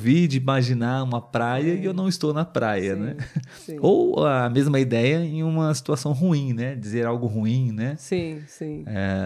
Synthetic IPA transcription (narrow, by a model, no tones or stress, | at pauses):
vid͡ʒɪimaʒinaũmɐpɾajɐɪewnɐ̃w̃ɪst̪ownɐpɾʔajɐnɛ̃ | owːmezmɐid̪ɛjɐẽj̃ũmɐsi̥t̪uasɐ̃w̃ɦuĩnɛd͡ʒizeɾawɡʊɦuĩnɛsĩsĩɛ̰